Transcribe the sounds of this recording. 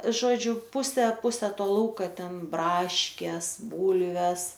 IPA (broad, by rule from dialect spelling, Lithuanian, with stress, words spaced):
ˈʒoːd͡ʒʲʊ ˈpʊsʲɛ ˈpʊsʲɛ ˈtoː ˈlˠɐʊkɐ ˈtʲɛn ˈbrɑːʃʲkʲeːs ˈbuːlʲʋʲɛs